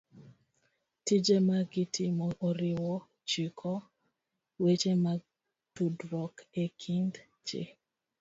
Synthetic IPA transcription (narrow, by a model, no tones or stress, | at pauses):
tid͡ʒemaɡitʰimɔoɾiwɔ | t͡ʃikʰɔ | wet͡ʃema | tudwɔkekʰind | t͡ʃḛ